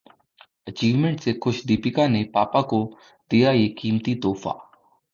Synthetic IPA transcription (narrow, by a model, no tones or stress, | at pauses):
ət͡ʃiːʋmẽɳʈsexʰʊʃd̪iːpɪkãnepaːpako | d̪̥ijajeːkiːmt̪it̪oːfʰa̰ː